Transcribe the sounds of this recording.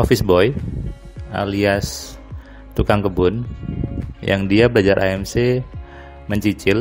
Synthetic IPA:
ʔofɪsbɔj | a̰lias | t̪ukaŋkəbʊn | jaŋdiabəlad͡ʒaɾʔa̰ɛmse | məɲt͡ʃit͡ʃɪl

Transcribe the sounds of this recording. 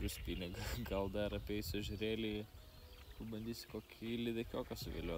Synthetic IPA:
ɾʊsʲpʲinʲɪɡɐɡɐlˠd̪ɐɾɐpʲɛɪsʲʊʒʲʊɾʲeːlʲɪ | pɐbɐnʲd̪ʲiːsʲɪ̥koːkʲʰilʲɪd̪ʲɐkʲoːkɐsʊʋʲḛlʲuɔ

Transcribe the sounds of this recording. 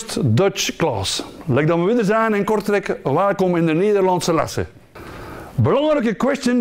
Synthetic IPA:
stdœt͡ʃklɑ̰ːslɛk̚dɑməʋɪdərzaːnɛnkɔrtəɾɛkʋaːlkɔmɪndəneːdərlɑnsəla̰sə̰ | bəlɑŋrəkəkwɛstjən

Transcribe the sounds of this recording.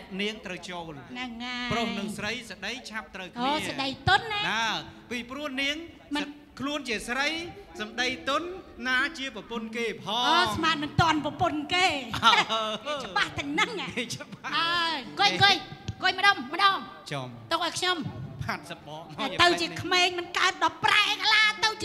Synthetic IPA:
niəŋt̪rəwt͡ɕoːlnɨŋːaprohnɨŋsrəjsəɗəjt͡ɕʰap̚t̪rəwkʰʔoːəsəɗəjt̪ʊnːaːaːpiːprʊ̆əhniəŋ | mɨn | kʰluənt͡ɕiəsrəjsɑmɗəjt̪ʊnːaːt͡ɕiəprɑpʊnkeːpʰɑːɔːsmaːt̪̚mɨnt̪ŏənprɑponkeː | t͡ɕəɓaht̪ɨŋnɨŋat͡ɕɓaʔaːkoəkojkoəjməɗɑːmmə̆ɗɔːŋ | t͡ɕɔmt̪ok̚ʔaɔjkʰɲompʰaːt̪̚səp̚ɓɑːʔmat̪ɨwt͡ɕiəkʰmeːŋmɨnkaət̪̚ɗɑpːraɛʔɛːkalaːt̪ɨw

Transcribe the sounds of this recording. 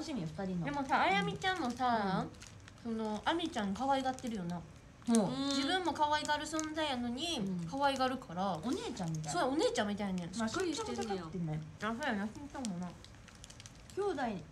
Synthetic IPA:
oɕimʲifɯ̥t̪aɾʲind̪e̞mo̞saːjamʲit͡ɕãmmːo̞sa | so̞no̞ʔamʲit͡ɕãnːkaβaiɡat̪ːe̞ɾɯ̟jo̞na | mod͡ʑibɯ̟̃mːo̞kaβaiɡaːɾɯ̟sõ̞nd͡zaijano̞ɲ̟ikʰaβaiɡaɾɯ̟kʰaɾaoneːt͡ɕãmːit̪aoone̞ːt͡ɕãmːit̪ainẽsaoakt̪ːenːasojãnjasĩmisãmmona | kʲoːd̪ai

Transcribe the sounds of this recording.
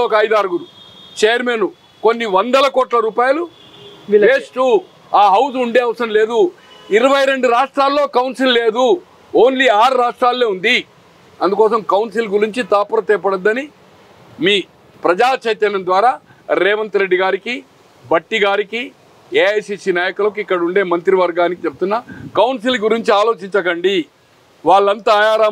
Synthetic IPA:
oːkɐɐjd̪aːɾɡuɾut͡ʃeːjɐɾmenu | ko̞nːiʋɐnd̪ɐlɐkoːʈlɐɾuːpaːjɐlu | eːsʈu | aːɦɐws̬uɳɖeːɐʋɐsɐmle̞ːd̪u | iɾɐʋɐjɾe̞ɳɖuɾaːʂʈɾaːlːo̞ːkɐwnsilːe̞ːd̪u | oːnliaːɾuɾaːʂʈɾaːlːeːund̪i | ɐnd̪ukɔːsɐmkɐwnsilɡuɾiɲt͡ʃit̪aːpuɾɐt̪ɛːpɐɽɐd̪ːɐni | miː | pɾɐd͡ʒaːt͡ʃɐjt̪ɐnɐnd̪ʋaːɾaː | ɾɛːʋɐnt̪ɾeɖːiɡaːɾiki | bɐʈːiɡaːɾiki | eːɐjsisinaːjɐkulɐkuikːɐɽɐuɳɖe̞ːmɐnt̪ɾiʋɐɾɡaːnikit͡ʃep̚t̪unːɐkɐwnsilɡuɾiɲt͡ʃiaːloːt͡ʃiɲt͡ʃɐkɐɳɖi | ʋaːɭːɐnt̪aːjaːɾaː

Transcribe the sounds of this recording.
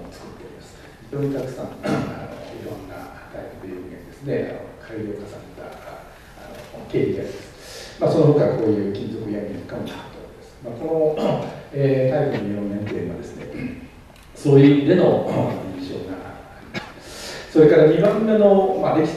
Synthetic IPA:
ot͡sɨ̥kɯ̥t̪ːe̞oɾʲimasɨ̥ | çit̪ːoːɲ̟it̪akɯ̥sã̰ŋa̰no̰iɾõ̞nːa̰ | t̪aipɯ̟d̪ejɯiɡaɲid̪e̞sɨne̞a̰n̰okʰaiɾʲo̞ːkasã̰net̪a̰ː | noke̞ːçʲiɡ̪aɾʲimasɨ̥ | masonoɦoːkako̞ːjɯ̟ːkʲĩnzo̞kɯ̟jamʲinakamoɕat̪oked̪esɨ̥maːko̞no̞ | eːt̪aikɯnojõnnːẽ̞nt̪ḛ̃ɡad̪e̞sɨne | soːimʲid̪e̞no̞aĩɰ̃ɕo̞̰ːɡaː | ɾʲimassoɾe̞kaɾaɲibãːe̞no̞mad̪e̞kʲi̥

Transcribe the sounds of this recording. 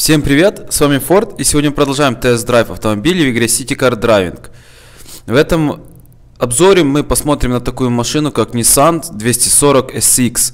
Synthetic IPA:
fsʲe̞mpɾʲɪvʲe̞t̪svamʲɪfo̞rt̪isʲɪvʲodnʲəɨpɾəd̪ɐlˠʐajɪmt̪ɛɛsd̪ɾajfɐft̪əmɐbʲilʲɪvɪɡɾʲesʲitʲɪkɐrd̪ɾavʲɪ̰nk | vɛt̪əm | ɐbzo̞ɾʲɪmɨpɐsmo̞t̪ɾʲɪmnət̪ɐkujʊmɐʂɨnʊkaknʲɪsant̪d̪vʲesʲtʲɪso̞ɾəkɛsiks

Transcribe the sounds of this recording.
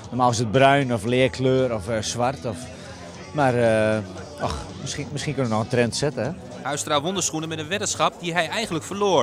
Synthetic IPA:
nɔmaːɪsət̚brœɥnɔflɪəkʰløːɾɔfsʋartɔf | mar | ɔ̰xmɪsximɪsxiənkønʋənɔxəntrɛntsɪtəɦɛ | hœɥstraːʋondəsχunəmɛtənʋɪtəsxɑp̚diɦɛjɛjxəndləkfərloə

